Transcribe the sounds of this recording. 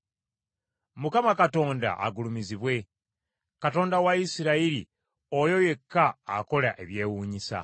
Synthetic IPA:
mukamakato̞ːnda̰ʔa̰ɡulumiziβwe̞ | kato̞ːndawaisiɾaiɾḭ | ojo̞je̞kːa̰ːko̞laʔe̞βje̞ːwuːɲisa̰

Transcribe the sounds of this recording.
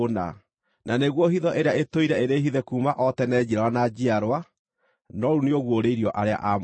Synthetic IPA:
na̰ | naneɣwɔɦiðɔʔeɾeaetoiɾɛeɾeːɦiðɛkuːmaʔɔtɛnɛːd͡ʑiɾaɾanad͡ʑiaɾwa | nɔɾuneoɣwoɾeiɾiɔʔaɾea̰ʔa

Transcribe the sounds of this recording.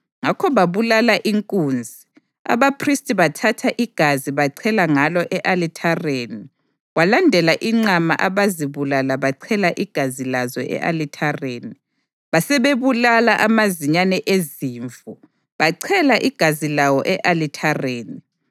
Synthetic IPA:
ŋakʰɔβaβulalaʔiŋkʼuːnd͡zʱi | a̰βapʰristʼiβatʰatʰaʔiɡ̥ʱaziβaǀʰɛlaŋalɔʔɛʔalitʰareːni | ɣwalandʱɛlaʔiŋ͡ǀama̰ʔaβaziβulalaβaǀʰɛlaʔiɡ̥ʱazilazɔ̰ʔɛ̰ʔa̰litʰareːni | βasɛβeβulalaʔamaziɲanɛʔeziːɱvu | βaǀʰɛlaʔiɡ̥ʱazilawɔʔɛʔalitʰareːni

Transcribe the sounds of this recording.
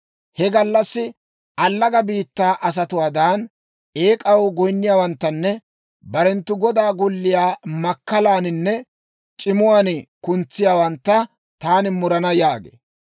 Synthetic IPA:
hɛɡɐlːɐsːɪ | ɐlːɐɡɐbiːt̪ːaːʔɐs̬ɐt̪ʊwaːd̪aːn | e̞ːkʼɐwɡɔjnːɪjaːwɐnt̪ːɐnːɛ | bɐɾɛnt̪ːʊɡɔd̪aːɡʊlːɪjaːmɐkːɐlaːnɪnːɛ | t͡ʃʼɪmʊwaːnɪkʊnt͡sːɪjaːwɐnt̪ːɐ | t̪aːnɪmʊɾɐnɐjaːɡḛː

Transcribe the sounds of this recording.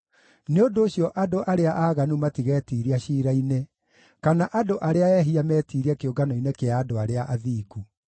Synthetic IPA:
neondoːɕjɔʔadoʔaɾeaʔaːɣanumatiɣɛtiɾiaɕiːɾaine | kanaʔadoʔaɾeaɛɦiamɛːtiɾiakeoɡanɔinekeaːdoaɾeaʔaðiːɡu

